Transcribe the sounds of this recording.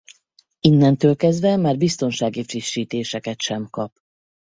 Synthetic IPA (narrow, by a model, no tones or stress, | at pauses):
inːɛnt̪øːlkɛzd̪vɛmaːrbist̪o̞nʃaːɡifriʃːiːt̪eːʃɛkɛt̪ʃɛmkɒp